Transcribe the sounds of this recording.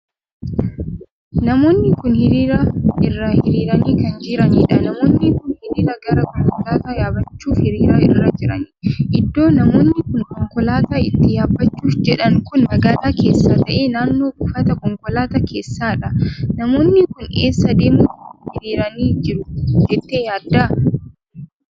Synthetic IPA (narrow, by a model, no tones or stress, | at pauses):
nɐmo̞ːnːɪkʊnhɪɾiːɾɐɪrːɐhɪɾiːɾɐniːkɐnd͡ʒɪɾɐniːᶑɐnɐmo̞ːnːɪkʊnhɪɾiːɾɐɡɐɾɐkɔŋkɔlaːt̪ɐjaːbɐt͡ʃːuːfhɪɾiːɾɐɪ̰rːɐd͡ʒɪɾɐ̰niːʔɪd̪ːo̞ːnɐmo̞ːnːɪkʊŋkɔŋkɔlaːt̪aɪt̪ːɪjaːbːɐt͡ʃːuːfd͡ʒɛᶑɐŋkʊnmɐɡaːlaːke̞ːsːaːt̪ɐʔe̞ːnaːnːo̞ːbʊfɐt̪ɐkɔŋkɔlaːt̪ɐke̞ːsːaːᶑɐnɐmo̞ːnːɪkʊne̞ːsːɐd̪eːmʊʊhɪɾiːɾɐniːd͡ʒɪɾʊd͡ʒɛt̪ːe̞ːjaːd̪ːaː